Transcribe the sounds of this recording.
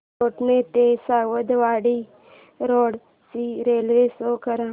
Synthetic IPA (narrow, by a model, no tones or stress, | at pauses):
oːʈmẽt̪eːsaːwəd̪ʋaːɽiː | ɾoːɽ | siːɾeːlʋeːsoːkəɾãː